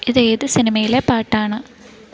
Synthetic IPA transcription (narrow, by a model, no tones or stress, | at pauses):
iðeːðɨsinimɐjilepaːʈːaːɳɨ